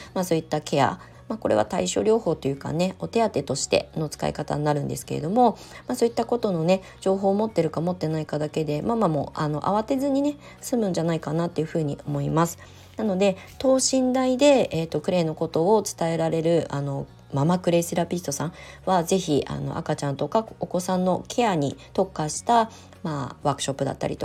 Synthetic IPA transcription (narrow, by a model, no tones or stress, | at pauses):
maso̞ːit̪ːake̞a̰ | mako̞ɾe̞̰βa̰t̪aiɕo̞̰ːɾʲo̞ːho̞ːt̪ojɯ̟ka̰ne̞o̞t̪e̞at̪e̞t̪o̞ɕi̥t̪e̞̰no̞t͡sɨ̥ka̰ikat̪a̰ɲnːaɾɯ̟̃nd̪e̞sɨ̥ke̞̰ɾed̪o̞mo̞masoit̪ːako̞t̪o̞no̞ne̞ | d͡ʑo̞ːɦo̞ːmo̞t̪ːe̞ɾɯ̟kamo̞t̪ːe̞naikad̪ake̞d̪e̞mamamo̞̰ʔano̞̰ʔa̰βat̪e̞zɨɲ̟ine̞ | sɨmɯ̟̃ɲ̟d͡ʑanaikanat̪ːe̞jɯ̟ɸɯ̟ːɲ̟io̞mo̞imasɨ̥ | nano̞d̪e̞t̪o̞ːɕĩnd̪aid̪e̞ːt̪ːo̞kɯ̟ɾe̞no̞ko̞t̪o̞ːt͡sɨ̥t̪ae̞ɾaɾe̞ɾɯ̟ʔa̰no̞ | mamakɯ̟ɾe̞sɨɾapʲist̪o̞sãɴ̃βaze̞çia̰no̞̰ʔa̰kat͡ɕãnt̪o̞kaoko̞sãnːo̞kʰe̞aɲ̟it̪o̞kːaɕi̥t̪a | maːβaːkɯ̟ɕo̞pːɯ̟d̪a̰t̪ːa̰ɾḭt̪o